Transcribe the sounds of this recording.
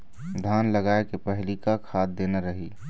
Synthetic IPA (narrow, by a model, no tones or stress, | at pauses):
d̪ʱaːnləɡaːekepɛɦlikakʰaːt̪̚d̪eːnaɾəɦiː